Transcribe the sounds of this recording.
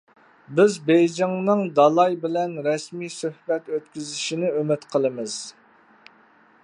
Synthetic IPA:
bɪzbejd͡ʒɪŋnɨŋd̪ɑlˠɑjbɪlɛnɾɛsmijsøhbɛt̪øt̪kʲyzɪʃinɪømɪt̪qʰəlˠɨmɨz̥

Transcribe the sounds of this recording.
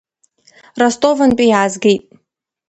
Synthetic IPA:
rastʼovanpʼijaːzɡejtʼ

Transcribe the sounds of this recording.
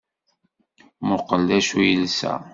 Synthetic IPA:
mʊqəlːæʃujəlsæ̰

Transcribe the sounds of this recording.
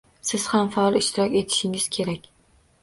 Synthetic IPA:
sɪz̥hamfaɒlˠɪʃt̪ʰɪɾɒkʲe̞t̪ʰɪ̥ʃɪŋɪz̥kʲʰe̞ɾakʲ

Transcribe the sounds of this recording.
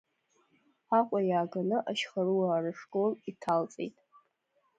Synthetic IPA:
aqʷʼajaːɡanɨʔaʃχaɾuaːrɨʂkʼolitʰalt͡sʼḛjtʼ

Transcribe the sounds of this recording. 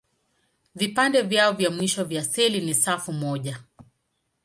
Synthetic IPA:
vipandɛvjaɔvjamwiʃɔvjasɛlinisafumɔʄa

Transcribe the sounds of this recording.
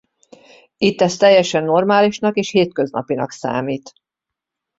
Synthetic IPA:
it̪ːɛst̪ɛjːɛʃɛnːo̞rmaːliʃnɒkeːʃheːt̪køznɒ̰pinɒksa̰ːmiːt̪

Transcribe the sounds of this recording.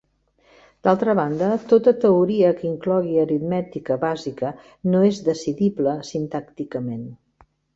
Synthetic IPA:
d̪̥alˠt̪ɾəβand̪ət̪ot̪ət̪əuɾiəkiŋklɔɣiəɾit̪mɛt̪ikəβazikə | noezðəsiðibləsint̪akt̪ikəmen

